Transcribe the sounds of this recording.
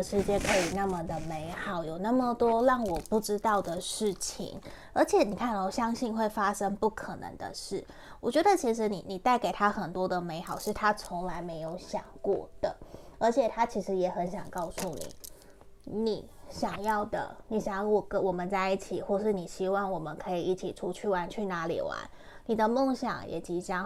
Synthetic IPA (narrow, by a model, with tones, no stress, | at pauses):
ə˩ʂɻ̩˧˥t͡ɕjɛ˥nkʰɤ˧˥i˨˩na˥˩mə˨d̪ə˩me˧˥ɪxɑ˨˩˦ʊjo˨˩ʊna˥˩mə˨˩t̪wɔ˥ɻɑ˥˩ŋwɔ˨˩pu˥˩ʈ͡ʂɻ̩˥t̪ɑ˥˩ʊd̪ə˨ʂɻ̩˥˩t͡ɕʰḭ˧˩˦ŋ | ə˞˧˥t͡ɕʰjɛ˨˩˦ni˨˩kʰa˥˩n˨˩ɕjɑ˥ŋɕi˥˧nxwe˥˩ɪfa˥ʂə˥ŋpu˥˩kʰə˨˩nə̰˧˥ŋd̪ə̰˧ʂɻ̩˥˩ | wɔ̰˨˩t͡ɕɥɛ˧˥d̪ə˨t͡ɕʰi˧˥ʂ̬ɻ̩˧˥nḭ˨˩ni˨˩t̪a˥˩ɪke˨˩ɪt̪ʰa˥xə˨˩nt̪wɔ˥d̪ə˨me˧˥ɪxɑ˨˦ʊʂɻ̩˥˩t̪ʰa˥t͡sʰo˧˥ŋla˧˥ɪme˧˥ɪjo˧˥ʊɕjɑ̰˨˩ŋkwɔ̰˥˩d̪̥ə˩ə˞˧˥t͡ɕʰjɛ˨˩t̪ʰa˥t͡ɕʰi˧˥ʂɻ̩˧˥jɛ˨˩xə˧˥nɕjɑ˨˩ŋkɑ˥˧ʊsu˥˩nḭ˨˩˦ | ni˨˩ | ɕjɑ˨˩ŋjɑ˥˩ʊd̪ə̰˩ni˨˩ɕɑ˨˦ŋ˥˩wɔ˨˩kə˧˦wɔ˨˩mə˦nt͡sa˥˧ɪi˥˩t͡ɕʰi˨˩xwɔ˥˩ʂɻ̩˥˩ni˨˩ɕi˥wɑ˥˩ŋwɔ˨˩mə˦nkʰɤ˧˥i˨˩i˥˩t͡ɕʰi˨˩ʈ͡ʂʰu˥t͡ɕʰy˥˩wa˧˥nt͡ɕʰy˥˩na˧˥lḭ˨˩wa̰˧˦n | ni˨˩d̪ə˧˦mɔ˥˧ŋɕjɑ̰˨˩ŋjɛ̰˨˩t͡ɕi˧˥t͡ɕjɑ˥ŋ